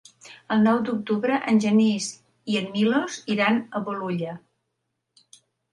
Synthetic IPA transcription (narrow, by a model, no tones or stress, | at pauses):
əlˠnɔwd̪uk̚t̪uβɾəʔənʲʒəniz | iənmiloziɾanəβuluʎə